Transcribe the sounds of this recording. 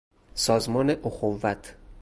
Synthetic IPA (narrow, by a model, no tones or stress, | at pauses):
sɒːzmɒːneʔoxovːæt̪ʰ